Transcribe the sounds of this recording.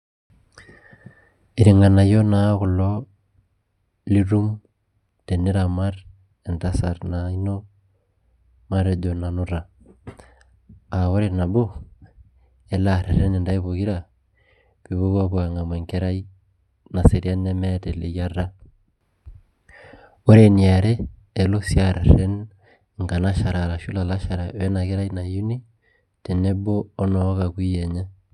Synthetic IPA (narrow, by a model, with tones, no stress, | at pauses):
e˨ɾi˨ŋɡa˨na˨jo˦na˦ɣu˨lɔ | li˦ɾu˦m | te˨ni˦ɾa˨ma˦ɾ | e˨nda˦sa˨ɾnaino˦ | ma˦ɾe˨do˨na˨nu˦ɾa˨ | a˨wo˦ɾena˨bo˦ | ɛ˦laɾe˨ɾe˦ne˨nda˦i˦βuɣi˦ɾa | βi˨βo˦βa˦βwa˨ŋa˨mwɛ˨ŋke˦ɾa˦i˦ | na˨se˨ɾi˦a˦nɛ˦mɛtɛ˨le˨ja˦ɾa˦ | o˦ɾe˨nia˨ɾɛː˦˨ | lo˦sjaɾɛ˨ɾɛ˦n | ŋka˨na˦ʃa˨ɾa˨ɾa˨ʃu˦la˨la˦ʃa˨ɾa˨wɛ˦na˨ke˦ɾa˦i˦na˨ju˦ni˦ | te˨ne˦boː˦nɔ˨ɔ˦ɣa˨kwi˦ɛ˨ɲɛ˦